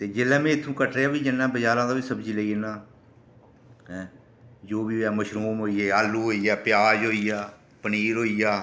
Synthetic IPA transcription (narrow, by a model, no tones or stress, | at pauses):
t̪eːd͡ʒelːãːmẽːɪt̪ʰːũːkəʈɾeːaːʋiːd͡ʒɪnːãːbəd͡ʒaːɾãːd̪aːʋiːsəbd͡ʒiːliːenãː | d͡ʒoːbiːaːməʃɾuːmɦoːiːeːaːlːuːɦoːiːaːpjaːd͡ʒɦoːiːaː | pəniːɾɦoːiːjaː